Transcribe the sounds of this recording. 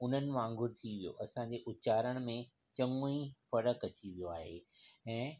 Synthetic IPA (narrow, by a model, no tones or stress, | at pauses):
ʊn̤ənɪ̆ʋãːŋɡʱʊɾt̪ʰiʋijo̰ʔɐsãɲd͡ʑeːʔʊt͡ɕaːɾəɽ̃mẽ | t͡ɕɐ̃ŋoĩfɐɽəkɐt͡ɕiʋijoaːɦeɛ̃ː